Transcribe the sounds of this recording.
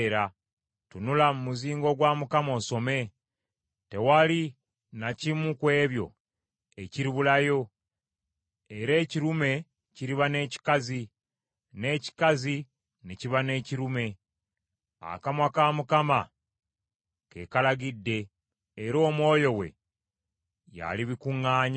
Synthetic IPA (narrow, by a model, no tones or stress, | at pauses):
ɾa | tunulamumuziːŋɡo̞ɡwaːmukamo̞ːso̞me̞ | te̞wali | nacimukwe̞ːβjo̞̰ | e̞ciɾiβulajo̞ | eɾe̞ːciɾume̞ | ciɾiβane̞ːci̥kazi | ne̞ːci̥kazi | neciβane̞ːciɾume̞ | a̰kamwakaːmukama | kekalaɡidːe̞ː | ɾo̞ːmwo̞ːjo̞we̞̰ | ja̰liβikuŋːaːɲa